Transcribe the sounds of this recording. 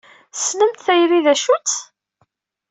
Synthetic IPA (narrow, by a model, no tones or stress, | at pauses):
snəmt̪θæjriðæʃut͡s̪